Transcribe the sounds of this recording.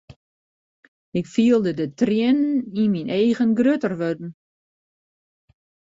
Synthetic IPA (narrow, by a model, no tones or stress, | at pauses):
ɪkfiəlˠdədətrjɪnninminʔeːɣənɡrøtərʋødn̩